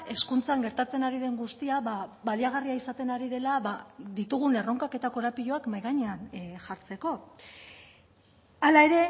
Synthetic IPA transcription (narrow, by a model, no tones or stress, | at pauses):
e̞skunt͡saŋɡe̞ɾt̪at͡se̞naɾiðe̞ŋɡust̪iaβaβaliaɣ̞ariaisat̪e̞naɾiðe̞laβad̪it̪uɣ̞une̞ro̞ŋkake̞t̪ako̞ɾapiʎo̞akmajɣaɲe̞anʝaɾt͡se̞ko̞ | alae̞ɾe̞